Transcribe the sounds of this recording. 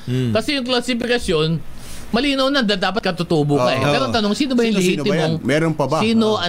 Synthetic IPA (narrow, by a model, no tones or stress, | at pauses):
kɐsɛjʊŋklɐlsɪfɪkɐsjo̞n | mɐliːnɐwnɐd̪ad̪aːpɐt̪̚kɐt̪ʊt̪uːbʊkɐʔɛ̰pɛːɾoɐŋt̪ɐno̞ŋsiːnobɐjʊŋllɪhiːɪmoŋmɛɾonpɐbsiːnoʔɐ